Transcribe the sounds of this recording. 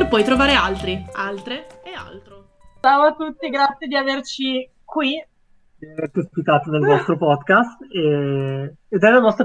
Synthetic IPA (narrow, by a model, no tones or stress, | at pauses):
rpɔjt̪ɾovaːɾealt̪ɾialt̪ɾeea̰lt̪ɾo | t͡ʃawat̪ːut̪ːiɡɾat̪sjed̪iavert͡ʃi | kwi | d̪iavert̪iaspit̪aːt̪onelnɔst̪ɾopɔd̪kast̪e | ed̪ɛlanɔst̪ɾa